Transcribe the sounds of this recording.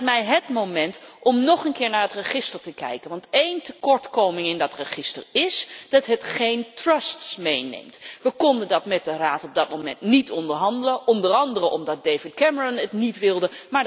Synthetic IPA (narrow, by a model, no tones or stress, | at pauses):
tmɛjɦətmowmɛntʔɔmnɔχənkɪːɹnaːɹətrəχɪstəɹtəkɛ̰jkənʋɑntejntəkɔɹtkowmɪŋɪndɑtrəχɪstə̰ɹɪsd̥ɑtɦətχejntrəstsmejnḛjmtʋəkɔndəndɑtmɛt̚dəraːtɔb̚dɑt̚mowmɛ̰ntnitɔndəɹɦɑndələʔɔndərɑndərəʔɔmdɑt̚dejvɪt̚kɛməɹɔnətnitʋɪlˠdəmaːɹ